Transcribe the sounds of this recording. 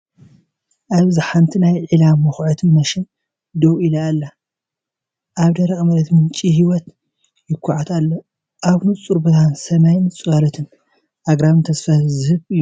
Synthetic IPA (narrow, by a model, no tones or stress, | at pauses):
ʔaβzɨħant̪ʰinajʕilamːɐxʕot̪ʰɨnmɐʃɪn | d̪owilaːlːa | ʔaβd̪ɐɾɐxʼmɐlɐt̪mɨnt͡ʃʼihiwɔt̪ | jɪkʰʷːʊʕat̪ʰalːo | ʔaβnɨt͡sʼuɾbɐt̪ʰansɐnajnɨt͡sʼɨkʼalɐt̪ʰɨn | ʔaɡɾaβnt̪ʰɐsfɐzɨɨβɨjːu